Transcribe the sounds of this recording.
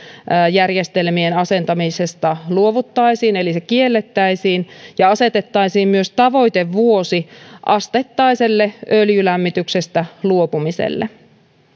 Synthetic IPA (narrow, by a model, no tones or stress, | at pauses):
jærjest̪elmienɑse̞nt̪ɑmisest̪ɑluoʋut̪ːɑisiːnelisekielːet̪ːæisiːnjɑɑset̪et̪ːɑisiːmmyøst̪ɑʋo̞it̪eʋʋuosiʔɑst̪et̪ːɑiselːeøljylæmːit̪yksest̪æluopumisḛlːḛ